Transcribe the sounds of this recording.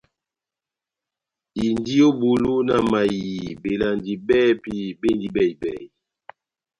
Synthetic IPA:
i˨ndi˦o˦bo˨lo˦na˨ma˨ji˨be˨la˨ndi˨bɛ˦pi˦be˦˨ndi˨bɛ˦˨i˨bɛ˦˨i˨

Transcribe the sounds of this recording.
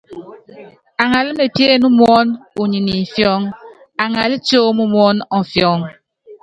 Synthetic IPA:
a˨ŋa˨li˦me˨pje˦˨nu˦mwɔ˦nu˨ɲi˨ni˨fjɔ˦ŋ | a˨ŋa˨li˦t͡ʃoː˦mu˦mwɔ˦nɔ˨fjɔ˨˦ŋ

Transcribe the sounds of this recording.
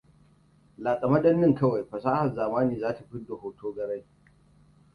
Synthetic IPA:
laː˨sʼɐ˨mɐ˦dɐ˦nːɪ˦ŋkɐ˦wa˨jɸɐ˨saː˦hɐ˨nzaː˨maː˦niː˨zaː˦ta˨ɸɪ˦do˨hoː˦tʰoː˦ɡɐ˨ɾɐ˦j

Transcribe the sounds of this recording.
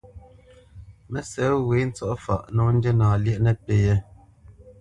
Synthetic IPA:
mɛ˦sɛ˨˦we˨˦n̩˦t͡sɔ˦ʔfa̰˨ʔnɔ˨˦n̩˦de˦naː˨ljɛ˦ʔnɛ˦pe˨˦je˦

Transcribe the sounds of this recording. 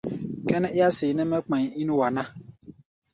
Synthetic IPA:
kɛ˦n˦ɪ˦a˦sɪ˨nɛ˦mɛ˦k͡pã˨ɲ˨i˦n˦wa˨na˦

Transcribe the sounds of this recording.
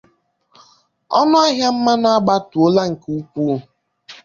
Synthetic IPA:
ɔ˦nɔ˦a˦ɦja˦m̩˦ma˦na˦a˦ɡ͡ba˦tu˨o˦la˦ŋ̩˨ku˦ku˦˨

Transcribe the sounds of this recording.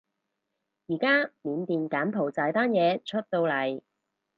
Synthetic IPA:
jiː˨˩kaː˥miː˨˧nt̪iː˨nkaː˨˥npʰo˨˩wt͡saː˨˧jt̪aː˥njɛː˨˧t͡ʃʰɵ˥t̚t̪o˧wlɐ˨˩j

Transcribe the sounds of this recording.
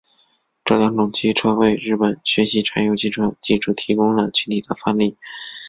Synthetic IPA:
ʈ͡ʂɤ˥˩lɑ˧˥ŋt̪ʊ˨˩ŋt͡ɕi˥ʈ͡ʂʰɤ˥ʊwe˥˧˩ɪɻɻ̩˥˩pə˨˩nɕɥɛ˧˥ɕi˧˥ʈ͡ʂʰa˧˥njo˧˥ʊt͡ɕʰi˥˩ʈ͡ʂʰɤ˥ŋt͡ɕi˥˧ʈ͡ʂʰu˥˩t̪ʰi˧˥kʊ˥ŋlə˨t͡ɕʰy˥t̪ʰi˨˩d̪ə˦fa˥nli˥˩

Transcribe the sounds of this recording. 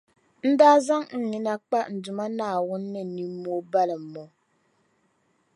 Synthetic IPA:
n̩˦daː˦za˦ŋn̩˨ɲi˦na˦k͡pa˦n̩˨dʊ˨ma˦naː˨wʊ˦nːɨ˦˨ni˨mːo˦ba˦lɨ˨mː˦o˨˦

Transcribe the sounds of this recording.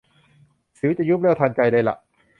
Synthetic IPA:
si˨˩˦wt͡ɕa˨˩juː˥˩p̚lɛː˥˩wt̪ʰaː˧nt͡ɕa˧jdaː˧jla̰˨˩ʔ

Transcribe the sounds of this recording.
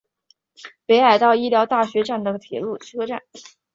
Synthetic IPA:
pe˧˥ɪa˨˩ɪt̪ɑ˥˧ʊi˥ljɑ˧˥ʊt̪a˥˩ɕɥɛ˧˥ʈ͡ʂa˥˩nd̪ə˩t̪ʰjɛ̰˨˧˥lu˥˩t͡ɕʰy˥kʰɤ˥ʈ͡ʂa˥˩n

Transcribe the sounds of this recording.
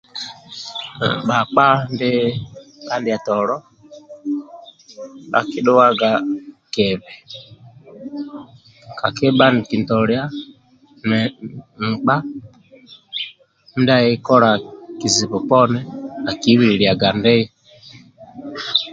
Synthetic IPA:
ɓa˨k͡pa˦ndɛ˦ɓa˦ndi˨a˨tɔ˨ɾɔ˦ | ɓa̰˦ki˦ɗɔ˦wa˦ɡa˨kɛ˨βɛ˨ | ka˨kɛ˦ɓa˦ni˨ki˨ntɔ˨ɾja˦ | nɛ˨m̩˨k͡pa˦ | m̩˦da˦ɛ˦kɔ˦ɾa˨ki˨zi˨βɔ˨pɔ˦nɛ˦a˨ki˨˦wi˦ɾi˨ɾja˨ɡa˨ndɛ˦i˦

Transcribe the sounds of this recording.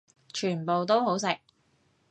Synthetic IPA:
t͡ʃʰyː˨˩npo˨wt̪o˥wɦo˨˥ws̬ɪ˨k̚

